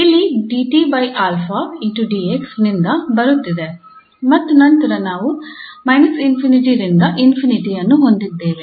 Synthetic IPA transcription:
iɭːiɖiːʈiːbɐjʔaːlfʰainʈuɖiːeksnind̪ɐbɐɾut̪ːid̪e | mɐt̪ːunɐnt̪ɐɾɐnaːʋumɐjnɐsinpʰiniʈ̬iɾind̪ɐʔinpʰiniʈijɐnːuɦo̞nd̪id̪ːeːʋe

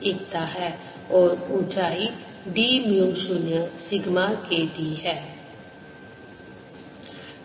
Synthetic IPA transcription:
ɪkt̪aɦɛː | ɔːɾʊt͡ʃaːi | ɖiːmjuʃʊnjəsɪɡmaːkeːd̪iɦɛː

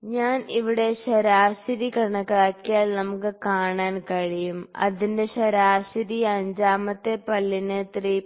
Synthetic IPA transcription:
ɲaːniʋiɽe̞ɕɐɾaːɕiɾikɐɳɐkaːkːijaːlnɐmukːɨkaːɳaːnkɐɻijumɐ̰ðinde̞ɕɐɾaːɕɐɾiɐɲd͡ʑaːmɐt̪ːe̞pɐlːinɨt̪riː

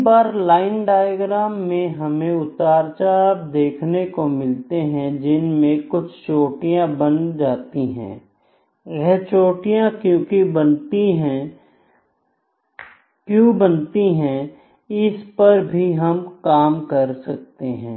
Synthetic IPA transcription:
baːɾlaːɪnɖaːjəɡɾaːmːẽɦɐmẽʊt̪aːɾt͡ʃab̚d̪eːkʰnekomɪlt̪eɦɛ̃d͡ʒɪnmẽkʊt͡ʃʰt͡ʃoːʈijãbɐnd͡ʒaːt̪iɦɛ̰̃ː | jɛɦt͡ʃoːʈijãkjõːkibɐnt̪iɦɛ̃ | kjõːbənt̪iɦɛ̃ | ɪspɐɾbʱiɦɐmkaːmkɐɾsɐk̚t̪eɦɛ̰̃ː

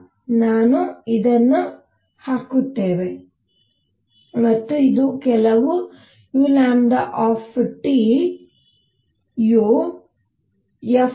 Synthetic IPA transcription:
naːnuid̪ɐnːu | haːkut̪ːeːʋe | mɐt̪ːuid̪ukɛlɐʋu | juːlaːɳɖ̪ɐʔaːpʈiː | ju | jɐ

